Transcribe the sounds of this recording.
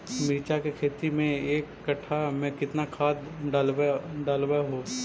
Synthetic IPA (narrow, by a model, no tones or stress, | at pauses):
miːt͡ʃakekʰeːt̪imẽeːkːɐʈʰamɛ̃kɪt̪nakʰaːd̪ɖaːlwɖaːlwaɦoː